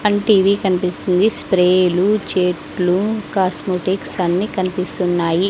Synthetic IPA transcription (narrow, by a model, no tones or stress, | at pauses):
ɐɳʈiːʋikɐnipist̪und̪ispɾeːlut͡ʃeːʈlukaːsmoːʈiksɐnːikɐnipist̪unːaːji